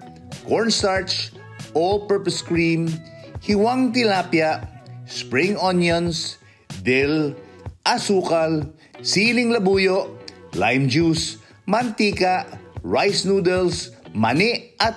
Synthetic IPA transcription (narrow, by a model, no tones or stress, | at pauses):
koɹnst̪aɹt͡ʃ | opɛɹpɐskɹĩmhɪwaŋt̪ɪlaːpjaʔspɹiŋonjons | d̪ɛlʔɐsuːkɐl | siːlɪŋlɐbuːjoʔlajmd͡ʒus | mɐnt̪iːkaʔɹajsnuːd̪ɛlsmɐnɛʔɐt̪